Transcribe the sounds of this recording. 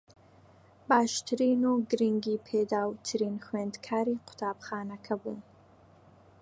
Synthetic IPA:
baːʃt̪ʰɾiːnuɡɾiŋɡiːpʰeːd̪aːwt̪ʰɨɾiːnxweːnd̪kʰaːɾiːqʰʊ̥t̪ʰaːbxaːnɐkʰɐbuːn

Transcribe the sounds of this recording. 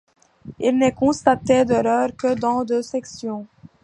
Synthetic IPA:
ilnəkɔ̃st̪at̪ed̪əlœːʁkəd̪ɑ̃d̪øsɛksjɔ̃

